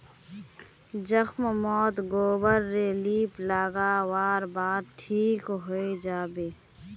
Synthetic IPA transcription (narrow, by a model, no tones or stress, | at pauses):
zəxmmɔːt̪ɡoːbəɾːeːliːplaːɡaːwaːɾbaːd̪̚ʈʰiːkɦoed͡ʒaːbeː